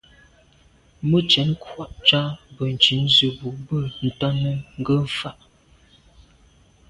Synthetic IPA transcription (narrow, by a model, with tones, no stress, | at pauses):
mə˦t͡ʃɛ˨˦n˦kwa˦˨ʔt͡ʃa˦bə˨n̩˨t͡ʃi˨˦n˦zə˨bu˨bə˦˨n̩˨tɔ˦nə˦ŋ̩˦ɡə˦˨fa˦ʔ